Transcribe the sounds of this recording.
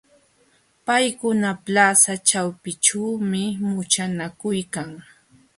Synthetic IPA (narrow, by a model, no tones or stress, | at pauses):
pajkʊnaplasat͡ʃawpɪt͡ʃaːmɪmʊt͡ʃanakʊjkaŋ